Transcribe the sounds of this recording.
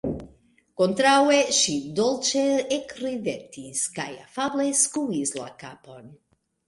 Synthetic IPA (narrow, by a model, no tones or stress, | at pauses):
kont̪ɾaweʃid̪olt͡ʃeekɾidet̪iskaja̰fableskuizla̰kapon